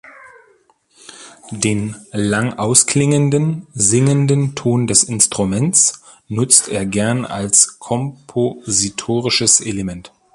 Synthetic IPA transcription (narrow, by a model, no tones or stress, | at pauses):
d̥eːnlaŋʔaʊsklɪŋəndənzɪŋəndəntʰoːndɛsɪnstʁ̥umɛnt͡s | nʊt͡stʔeːɐɡɛɐna̰lskʰɔmpʰozitʰoːʁɪʃəsʔelemɛnt